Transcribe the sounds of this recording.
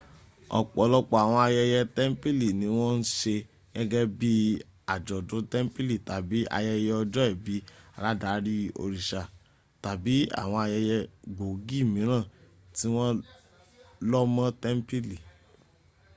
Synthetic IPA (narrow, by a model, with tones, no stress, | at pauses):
ɔ̰˨k͡pɔ˨˦lɔ˦k͡pɔ˧a˨w̃ɔ̃˧a˧jɛ˧jɛ˧tɛ˦m̩˦pi˦li˨nĩ˧˦w̃ɔ̃˦n̩˦ʃe˧ | ɡɛ˦ɡɛ˦bi˦ | a˨d͡ʒɔ˨dõ˨˦tɛ˦m̩˦pi˦li˦˨ta˨bi˨˦ʔa̰˧jɛ˧jɛ˧ɔ˧d͡ʒɔ˦ɛ˦˨bi˨˦a˨ɾa˦da˨˦ɾi˦o̰˧ɾi˨ʃa˨ | ta˨bi˨˦a̰˦˨w̃ɔ̃˧a˧jɛ˧jɛ˧ɡ͡bo˨ɡi˦˨mĩ˨˦ɾ̃ã˦˨ | ti˦w̃ɔ̃˦ | lɔ˦mã˦tɛ˦m̩˦pi˦li˨